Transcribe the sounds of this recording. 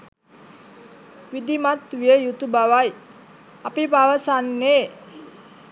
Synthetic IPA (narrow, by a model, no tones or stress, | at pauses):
wid̪imat̪wiəjut̪ubawaj | apipawəsanːe